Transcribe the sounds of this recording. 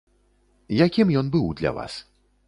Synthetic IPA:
jakʲimjɔnbɨwd̪lʲa̰va̰s

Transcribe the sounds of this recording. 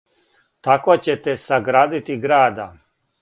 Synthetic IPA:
t̪akot͡ɕet̪ɛsaɡɾaːd̪it̪iɡɾaːd̪a

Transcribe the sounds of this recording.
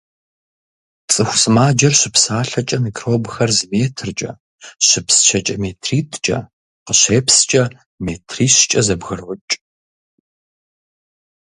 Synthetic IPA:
t͡sʼɨxʷsɨmaːd͡ʒɐrɕɪpsaːɬɐt͡ʃʼɐmikʰroːbxɐrzɨmeːtʰɨrt͡ʃʼɐ̰ | ɕɪpst͡ʃʰɐt͡ʃʼɐmeːtʰriːtʰt͡ʃʼɐ̰ | qəɕeːpst͡ʃʼɐ | meːtʰriːɕt͡ʃʼɐzɐbɣɨrʊt͡ʃʼ

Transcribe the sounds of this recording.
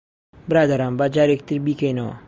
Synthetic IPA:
bəɾad̪aɾambad͡ʒaɾek̚t̪iɾbikejnowa̰

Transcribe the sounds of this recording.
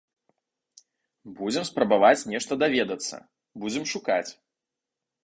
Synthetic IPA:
bud͡zʲɛmspɾɐbavat͡sʲnʲɛʂt̪ɐd̪avʲɛd̪ɐt̪sːɐ̰ | bud͡zʲɛmʂuka̰t͡sʲ

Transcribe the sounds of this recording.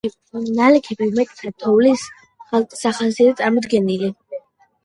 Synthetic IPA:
nalɛkʰɛbivmɛt̪ʼt̪sʰat̪ʰɔvlis | χalt̪ʼsaχasiat̪sʼaɾmɔd̪ɡɛnili

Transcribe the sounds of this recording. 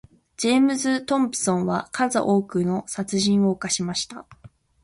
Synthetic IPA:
d͡ʑeːmɯ̟zɨt̪õ̞mpɯ̟̥sõ̞ɰ̃βakʰaza̰ʔo̞ːkɯ̟no̞sat͡sɨʑĩɰ̃o̞ːkaɕimaɕi̥t̪a

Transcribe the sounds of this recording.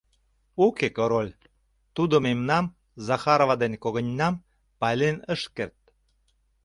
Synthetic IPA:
ukekoɾolʲ | t̪ud̪omemnɑm | zɑxɑɾovɑd̪enkoɣə̆nʲːɑm | pɑlʲenəʃkert̪̚

